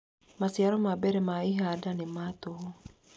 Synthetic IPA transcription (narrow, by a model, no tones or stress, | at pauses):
masiaɾɔmabɛɾɛmaiɦadanematoɦo